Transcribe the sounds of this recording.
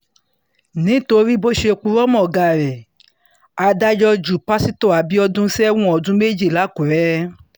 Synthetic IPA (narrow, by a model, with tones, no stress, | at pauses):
nĩ˨˦to˧ɾi˦bo˦ʃe˧o˧k͡pu˧ɾɔ˦mɔ̃˦˨ɡa˨ɾɛ˨ | a˧da˦d͡ʒɔ˧d͡ʒu˨pa˦si˦to˦˨a˨bi˦ɔ˧dũ˦sɛ˦wũ˦ɔ˨dũ˦me˦˨d͡ʒi˦˨la˨˦ku˨ɾɛ˦